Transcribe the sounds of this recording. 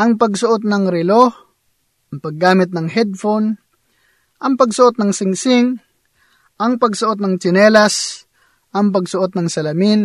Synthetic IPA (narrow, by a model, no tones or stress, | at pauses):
ʔɐŋpɐɡsʊʔot̪̚nɐŋɾɪloh | ʔɐŋpɐɡːaːmɪt̪̬̚nɐŋɦɛd̪̚fon | ʔɐŋpɐɡsʊʔot̪̚nɐŋsɪŋsɪŋ | ʔɐŋpɐɡsʊʔot̪̚nɐŋt͡ʃɪnɛːlas | ʔɐŋp̬ɐɡsʊʔot̪̚nɐŋsɐlɐmɪn